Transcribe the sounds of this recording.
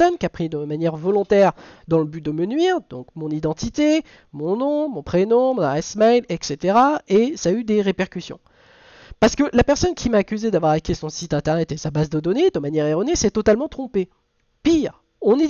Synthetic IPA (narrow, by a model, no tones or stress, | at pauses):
ɔnkʲapχid̪əmanjɛʁvɔlɔ̃t̪ɛʁd̪ɑ̃ləbyd̪əmənɥiːʁd̪ɔ̰̃kmɔ̃nid̪ɑ̃t̪it̪e | mɔ̃nɔ̃mɔ̃pχenɔ̃mɔ̃naɛsmajlɛkset̪eʁaesayd̪eʁepɛʁkʲysjɔ̰̃ | paʁsə̥kəlapɛʁsɔnkʲimaːkʲyzed̪avwaʁakʲesɔ̃sit̪ɛ̃t̪ɛʁnɛt̪esabazd̪əd̪ɔned̪əmanjɛʁeʁɔnesɛt̪ɔt̪almɑ̃t̪χɔ̃pe | piːʁ | ɔ̃ni